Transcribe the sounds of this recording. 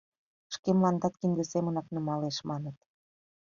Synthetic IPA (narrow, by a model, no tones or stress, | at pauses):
ʃkemlɑnd̪ɑt̪kind̪ə̆semə̆nɑknɤmɑleʃmɑnə̆t̪